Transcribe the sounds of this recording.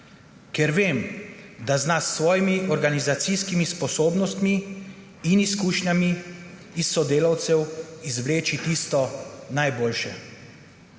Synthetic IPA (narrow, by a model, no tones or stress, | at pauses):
kɛɾʋeːmd̪aznasːʋɔːjimiʔɔɾɡanizat̪siskimispɔsoːbnɔst̪miː | niskuːʃɲamiː | sːɔd̪eːlawt̪sɛwizʋleːt͡ʃit̪ist̪ɔnajboːlʃɛ